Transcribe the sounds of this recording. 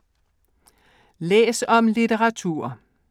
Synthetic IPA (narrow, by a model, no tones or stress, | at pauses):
lḛːsɒ̽mlit͡seʁɑ̈t͡sʰṵːɐ̰